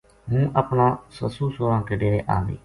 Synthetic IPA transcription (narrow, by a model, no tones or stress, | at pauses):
ɦũːʔəpnãːsəsuːsoːɾãːkəɖeːʔa̰ːnḭː